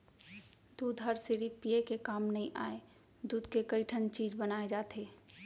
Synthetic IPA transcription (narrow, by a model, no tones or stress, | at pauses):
d̪uːd̪ʱɦəɾsiɾipiekekaːmnɐɦĩʔa̰ːe | d̪uːd̪kekəiʈʰənt͡ʃiːd͡ʒbənaːed͡ʒaːt̪eː